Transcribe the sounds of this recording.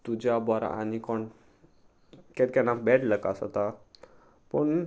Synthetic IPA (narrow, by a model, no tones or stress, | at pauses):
t̪ud͡ʑabɔɾa̰a̰nikɔɳ | kɛt̪̚kɛnabɛɽləka̰sɔ̰t̪a | pəɳ